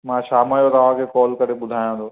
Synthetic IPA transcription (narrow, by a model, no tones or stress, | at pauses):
mãːʃaːmajot̪ːʋãːkʰekɔːlkɐɾeɓʊd̪ʱaːjãːd̪oː